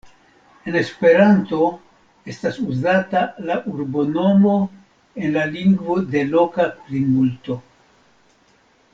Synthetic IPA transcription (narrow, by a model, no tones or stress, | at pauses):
e̞ne̞spe̞ɾanto̞ | e̞stasuzatalaʔuɾbo̞no̞mo̞ | e̞nlaliŋɡvo̞de̞lo̞kakɾimulto̞